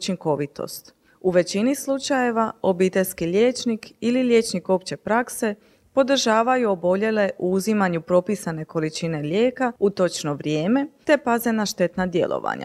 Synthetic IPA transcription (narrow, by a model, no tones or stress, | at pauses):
t͡ʃiŋko̞ʋit̪o̰st̪ | uʋe̞t͡ɕinislˠut͡ʃaje̞ʋao̞biːt̪e̞ʎʲskiʎʲe̞ːt͡ʃnikililʲje̞ːt͡ʃniko̞pt͡ɕe̞pɾakse̞ | po̞d̪r̩ʒaːʋajuo̞bo̞ʎe̞le̞ʔuuzimaɲupɾo̞pisane̞ko̞lit͡ʃine̞lje̞ːkaut̪o̞t͡ʃno̞ʋɾjeːme̞t̪e̞paze̞naʃt̪e̞t̪nad̪je̞̰lˠʔo̰ʋa̰ɲa̰